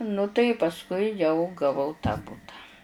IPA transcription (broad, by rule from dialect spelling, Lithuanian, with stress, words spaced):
nʊ tɐɪ pɐsˈkʊɪ jɛʊ ɡɐˈʋɐʊ tɑː ˈbʊtɐ